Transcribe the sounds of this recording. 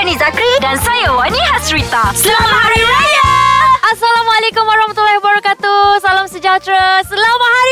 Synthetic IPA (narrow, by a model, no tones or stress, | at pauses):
nizakɾidansajawaniɦasɾit̪aslamai | asalamalekumwaɾahmat̪ulːahwabaɾakat̪usalamsəd͡ʒat̪ɾasəlamaɦaɾ